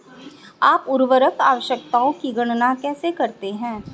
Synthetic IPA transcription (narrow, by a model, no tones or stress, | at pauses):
aːpʊɾʋəɾəkaːʋəʃjək̚t̪aːõkiɡɐɽ̃nakɛːsekɐɾt̪eɦɛ̃ː